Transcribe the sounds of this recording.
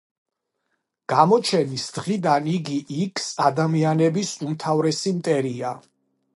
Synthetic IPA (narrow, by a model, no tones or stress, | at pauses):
ɡ̥amɔt͡ʃʰɛnisd̪̥ʁid̪aniɡiʔikʰsad̪amianɛbisumt̪ʰavɾɛsimt̪ʼɛɾia